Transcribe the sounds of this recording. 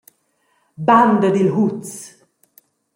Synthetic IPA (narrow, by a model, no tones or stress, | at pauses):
band̪əd̪ilɦut̪s